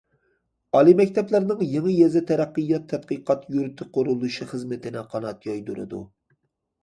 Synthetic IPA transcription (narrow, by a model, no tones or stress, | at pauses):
ɑlˠimɛkʲt̪ʰɛplæɾnɨŋjeŋɨjɛzɛt̪ʰɛɾæqːɨjːɑt̪ʰːɛt̪̚qəqʰɑt̪juɾt̪ʰɪqʰoɾulˠuʃiχɨzmɪt̪ʰɪnɪqʰɑnɑt̪jɑjd̪uɾɨ̰d̪ṵ